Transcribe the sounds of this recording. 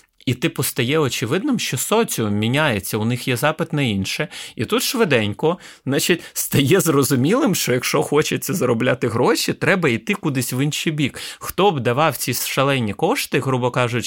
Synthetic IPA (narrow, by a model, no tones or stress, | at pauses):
it̪ɪpɔst̪ɐjɛɔt͡ʃɪʋɪd̪nɪmʃt͡ʃɔsɔt͡sʲimʲinʲajet͡sʲːɐʊnɪxjɛzɑpɪt̪nɐinʃɛit̪ut̪ʃʋɪd̪ɛnʲkɔznɑt͡ʃitʲst̪ɐjɛzrɔzʊmʲilˠɪmʃt͡ʃɔjɐkʃɔxɔt͡ʃɪt͡sʲːɐzɐɾɔblʲat̪ɪɦɾɔʃʲit̪ɾɛbɐijt̪ɪkud̪ɪsʲʋɪnʃibʲikxt̪ɔbd̪ɐʋɑwt͡sʲisʃɐlˠɛnʲːikɔʃt̪ɪɦɾubɔkɑʒʊtʲ